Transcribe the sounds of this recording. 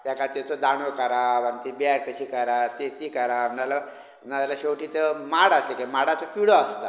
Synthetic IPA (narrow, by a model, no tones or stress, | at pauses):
t̪jakat̪et͡sod̪aɽ̃okəɾaʋant̪ibjaɾk̪əɕiːkəɾat̪et̪ikəɾanala | nat̪alaɕewʈiːt͡s̪emaɽaslekemaɽat͡səpiɽoast̪a